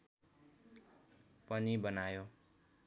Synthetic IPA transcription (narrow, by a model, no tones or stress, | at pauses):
pʌnibʌnajo